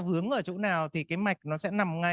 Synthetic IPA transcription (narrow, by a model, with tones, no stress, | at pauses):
vɨ˨˦əŋʔəː˧˩t͡ɕṵ˧˥naː˨˩wt̪ʰi˨˩kaː˨˦jma˨˩jk̚nɔ˨˦sɛ̰˧˥na˨˩mŋa˧